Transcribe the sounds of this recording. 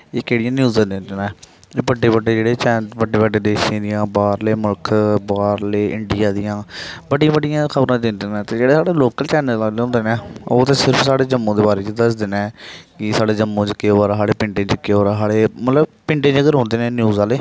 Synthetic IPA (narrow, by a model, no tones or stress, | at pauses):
eːkeːɽɪjãːnjuːzãd̪ẽnd̪eːna | bəɖːeːbəɖːeːd͡ʒeːɽeːt͡ʃɛːnbəɖeːbəɖeːd̪eːʃẽːd̪ɪjãːbaːɾleːmʊlkʰbaːɾleːʔɪɳɖɪjaːd̪ɪjãːbəɽijãːbəɖijãːkʰəbɾãːd̪ɪnd̪eːnãːt̪eːd͡ʒeːɽeːsaːɽeːloːkəlt͡ʃɛːnəlaːleɦõːnd̪eːnɛ̃ːoːt̪eːsɪɾpʰsaːɽeːd͡ʒəmːõːd̪eːbaːɾeːt͡ʃəd̪əsd̪eːnɛ̃ːkɪsaːɽeːd͡ʒəmːõːt͡ʃkeoaːɾaɦaːɽeːpɪɳʈẽːd͡ʒəkeːɾaɦaːɽeːmət̪ləb̚pɪɳʈẽːd͡ʒəɡəɾɦõːnd̪eːnɛ̃ːnjuːzaːleː